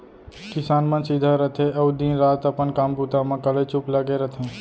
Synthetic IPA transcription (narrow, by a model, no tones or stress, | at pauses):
kɪsaːnmə̃nsid̪ʱaɾət̪ʰẽʔɐud̪ĩːnɾaːt̪ɐpənkaːmpuːt̪amãkəlet͡ʃʊpləɡeɾɐt̪ʰẽː